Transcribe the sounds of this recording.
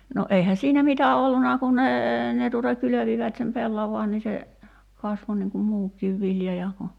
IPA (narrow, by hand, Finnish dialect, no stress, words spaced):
no eihæ siːnæ mitæ olːunɑ kun neː ne tuˑtɑ kyløʋiʋæt sem pelːɑʋɑːn ni se kɑsʋo niŋ kum muːkˑiːʋ ʋiljɑ jɑ ku